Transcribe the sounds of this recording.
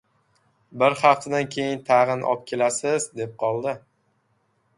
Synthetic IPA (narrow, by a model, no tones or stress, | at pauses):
bɪɾχɑft̪ʰad̪ankʲʰe̞jɪnt̪ʰɑʁɨnʔɒ̰p̚kʲʰe̞lasɪzd̪e̞p̚qʰɒlˠd̪ɪ